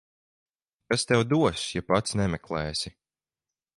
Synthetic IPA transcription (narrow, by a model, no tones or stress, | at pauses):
kast̪ɛwd̪uɔsjapat̪snɛmɛklˠɛːsi